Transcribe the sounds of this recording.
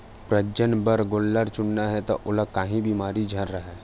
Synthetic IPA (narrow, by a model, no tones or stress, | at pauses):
pɾəd͡ʒənbəɾɡolːəɾt͡ʃʊnːaɦɛt̪oʔʊləkaːɦĩbiːmaːɾid͡ʒʱəɾɾəɦɛː